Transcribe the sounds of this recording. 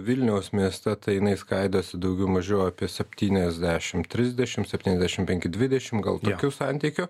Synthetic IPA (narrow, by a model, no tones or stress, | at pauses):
ʋʲɪlʲnʲɛʊsmʲiɛst̪ʲɛt̪ɐɪjɪnɐɪskɐɪd̪oːsʲɪd̪ɐʊɡʲɛʊmɐʒʲoːjoɑːpʲiɛsʲɛpʲt̪ʲiːnʲɛzʲd̪ʲæːʃʲɪmt̪ʲɾʲɪzʲd̪ʲɛʃʲɪmsʲɛpʲtʲiːnɛzʲd̪ʲæːʃʲɪmpʲɛŋʲkʲɪd̪ʲʋʲɪd̪ʲɛʃʲɪmɡɐ̰lˠt̪oːkʲusɑnʲt̪ʲiːkʲʊ